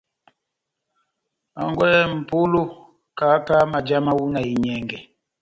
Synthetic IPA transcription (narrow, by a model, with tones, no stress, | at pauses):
a̰˨ŋɡwɛ˦m̩˨pu˦lo˦ | ka˨˦ka˦ma˨d͡ʒa˦ma˦wu˦na˨i˨ɲɛ˨ŋɡɛ˨